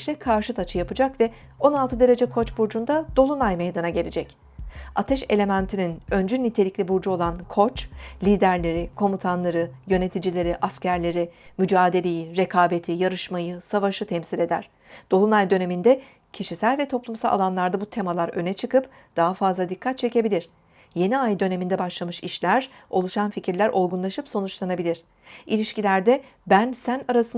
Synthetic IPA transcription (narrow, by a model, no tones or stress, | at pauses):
ʃlʲɛkʰaɾʃɯt̪ʰat͡ʃʰɯjapɯd͡ʒakvɛ | o̞nalˠt̪ʰɯd̪e̞ɾe̞d͡ʒɛkʰo̞t͡ʃbuɾd͡ʒund̪ad̪̥o̞lˠunajme̞jd̪anaɟe̞lʲed͡ʒɛc | at̪ʰɛʃe̞̰lʲe̞mænt̪ʰininø̞nd͡ʒynit̪ʰe̞lʲiclʲibuɾd͡ʒuo̞lˠankʰo̞t͡ʃlʲiːd̪æɾlʲe̞ɾikʰo̞mut̪ʰanlˠaɾɯjø̞ne̞t̪ʰid͡ʒilʲe̞ɾiʔascæɾlʲe̞ɾimyd͡ʒaːd̪e̞lʲe̞jiɾe̞kʰaːbe̞t̪ʰijaɾɯʃmajɯsavaʃɯt̪ʰɛmsilʲe̞d̪æ̰ɾ̥ | d̪̥o̞lˠunajd̪ø̞ne̞mind̪ɛ | cʰiʃisælʲvɛt̪ʰo̞plˠumsalˠa̰lˠanlˠaɾd̪abut̪ʰe̞malˠaɾø̞nɛt͡ʃʰɯkɯp | d̪̥aɦafazlˠad̪ikʰːat̪̚t͡ʃʰe̞ce̞bilʲiɾ̥ | je̞niajd̪ø̞ne̞mind̪ɛbaʃlˠamɯʃiʃlʲæɾo̞lˠuʃanficʰiɾlʲæɾʔo̞lˠɡunˠaʃɯpso̞nut͡ʃlˠanabilʲiɾ̥ | ilʲiʃcilʲæɾd̪ɛ | bænsænaɾasɯ